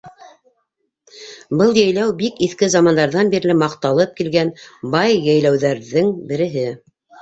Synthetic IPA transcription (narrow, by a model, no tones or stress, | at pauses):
bɤlˠjæjlæwbikiθkɘzɑmɑnd̪ɑɾðɑnbiɾlɘmɑqt̪ɑlˠɤp̚kilɡænbɑjːæjlæwðæɾðɘŋbɘ̆ɾɘ̆ɦɘ